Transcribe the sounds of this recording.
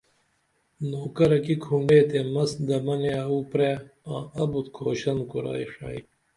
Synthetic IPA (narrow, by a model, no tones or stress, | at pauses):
noːkɐɾɐkikʰuɳɖeːt̪emɐsd̪ɐmɐneɐupɾeːãːɐbut̪kʰoːɕɐnkuɾa̰ːiʂa̰ːj